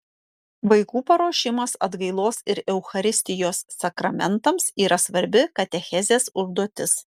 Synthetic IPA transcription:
ʋɐɪkuːpɐɾoːʃʲɪmɐsɐ̰d̪ɡɐɪlˠoːsɪɾɛʊxɐɾʲɪsʲt̪ʲɪjoːsːɐkɾɐmʲɛnt̪ɐmsiːɾɐsʋɐɾʲbʲɪkɐt̪ʲɛxʲɛzʲeːsʊʒd̪uɔt̪ʲɪs

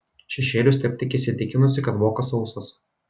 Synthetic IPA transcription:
ʃʲɛʃʲeːlʲʊs̬ʲt̪ʲɛp̚ʲt̪ʲɪkʲɪsʲɪt̪ʲɪkʲɪnʊsʲɪkɐt̪ʋoːkɐsɒʊsɐs

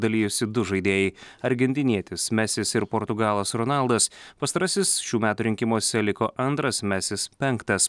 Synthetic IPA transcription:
d̪ɐlʲiːjʊsʲɪd̪ʊʒɐɪd̪ʲeːjɛɪɐɾʲɡʲɛnʲt̪ʲɪnʲiɛt̪ʲɪsmʲæsʲɪsɪɾpɔɾt̪ʊɡɑːlˠɐsɾɔnɐlˠd̪ɐspɐst̪ɐɾɐsʲɪsʃʲuːmʲæːt̪uːɾʲɪŋʲkʲɪmuɔsʲɛlʲɪkoːʔɐnt̪ɾɐsmʲɛsʲɪspʲɛŋkt̪ɐs

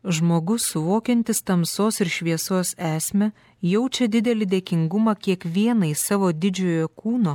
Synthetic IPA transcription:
ʒmoːɡʊsʊʋoːkʲɛnʲt̪ʲɪst̪ɐmsoːsɪɾʃʲʋʲiɛsoːsæːsʲmʲɛ | jɛʊt͡ʃʲɛd̪ʲɪd̪ʲɛlʲɪd̪ʲeːkʲɪŋɡʊmɐkʲiɛkʋʲiɛnɐɪsɑːʋoːd̪ʲɪd͡ʒʲoːjoːkuːnoː

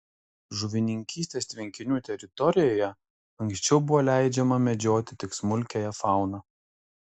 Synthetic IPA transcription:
ʒʊʋʲɪnʲɪŋʲkʲiːsʲt̪ʲeːst̪ʲʋʲɪŋʲkʲɪnʲuːt̪ʲɛɾʲɪt̪ɔɾʲɪjoːjɛ | ɐŋʲksʲt͡ʃʲɛʊbʊʋoːlʲæˑɪd͡ʒʲɛmɐmʲɛd͡ʒʲoːt̪ʲɪt̪ʲɪksmʊlʲkʲɛjɛfɑˑʊnɐ

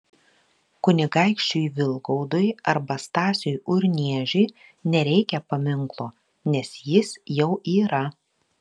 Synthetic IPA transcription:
kʊnʲɪɡɐɪkʃʲt͡ʃʲʊjʋʲɪlˠɡɔʊd̪ʊjɐɾbɐst̪ɑːsʲʊjʊɾʲnʲiɛʒʲʊɪnʲɛɾʲɛɪkʲɛpɐmʲɪŋklˠoː | nʲɛsjɪsjɛʊʔiːɾɐ

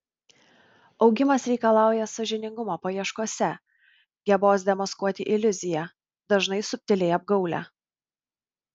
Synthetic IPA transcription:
ɒʊɡʲɪmɐsɾʲɛɪkɐlˠɑˑʊjɛsɐʒʲɪnʲɪŋɡʊmoːpɐjiɛʃkuɔsʲɛ | ɡʲɛboːsd̪ʲɛmɐskuɔt̪ʲɪʔɪlʲʊzʲɪjɛ | d̪ɐʒnɐɪsʊpʲt̪ʲɪlʲɛɪɐb̚ɡɒʊlʲæ̰ː

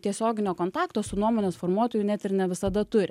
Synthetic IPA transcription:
t̪ʲiɛsʲoːɡʲɪnʲoːkoːnt̪ɑːkt̪oːsʊnuɔmoːnʲɛsfoːrmuɔt̪oːjʊnʲɛt̪ʲɪrnʲɛʋʲɪsɐd̪ɐt̪ʊɾʲɪ

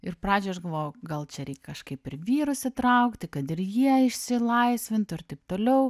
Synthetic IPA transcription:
ɪrpɾɑːd͡ʒʲʊːɐʃɡɐlˠʋoːjoɡɐlˠt͡ʃʲɛɾʲɛɪkʲɛkɐʃkɐɪpɪɾʋʲiːɾʊsʲɪt̪ɾɐʊkt̪ʲɪkɐt̪ɪɾjiɛɪʃʲsʲɪlˠɐɪsʲʋʲɪnt̪ʊɪɾt̪ɐɪp̚t̪oːlʲɛʊ

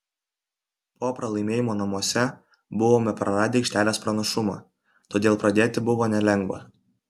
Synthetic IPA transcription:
poːpɾɐlˠɐɪmʲeːjɪmoːnɐmuɔsʲɛ | bʊʋoːmʲɛpɾɐɾɑːd̪ʲeːɪkʃʲt̪ʲæːlʲeːspɾɐnɐʃʊmɑ̰ː | t̪oːd̪ʲeːlˠpɾɐd̪ʲeːt̪ʲɪbʊʋoːnʲɛlʲɛŋɡʋɐ̰

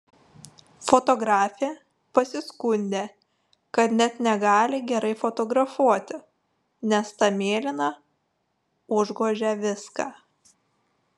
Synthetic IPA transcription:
fɔt̪ɔɡɾɑːfʲeː | pɐsʲɪskʊnʲd̪ʲeː | kɐt̪nʲɛt̪nʲɛɡɑːlʲɪɡʲɛɾɐɪfɔt̪ɔɡɾɐfuɔt̪ʲɪ | nʲɛst̪ɑmʲeːlʲɪnɑ | ʊʒɡoːʒʲɛʋʲɪskɑː

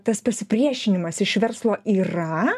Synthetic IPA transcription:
t̪ɐspɐsʲɪpʲɾʲiɛʃʲɪnʲɪmɐsɪʃʋʲɛɾslˠoːiːrɐ

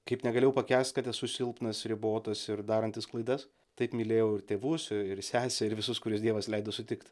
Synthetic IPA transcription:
kɐɪpnʲɛɡɐlʲejɛʊpɐkʲæːsʲt̪kɐt̪ʲɛssʊsʲɪlˠpnɐsɾʲɪboːt̪ɐsɪɾd̪ɑːɾɐnʲt̪ʲɪsklˠɐɪd̪ɐs | t̪ɐɪpmʲilʲeːjɛʊɪɾt̪ʲeːʋʊsɪɪɾsʲæːsʲɛɪɾʋʲɪsʊskʊɾʲɪs̬d̪ʲiɛʋɐslʲɛɪd̪oːsʊt̪ʲɪkt̪ʲ

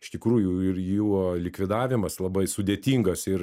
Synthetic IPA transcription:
ɪʃt̪ʲɪkɾuːjʊɪrjuːlʲɪkʋʲɪd̪ɑːʋʲɪmɐslˠɐbɐɪsʊd̪ʲeːt̪ʲiːŋɡɐsɪɾ

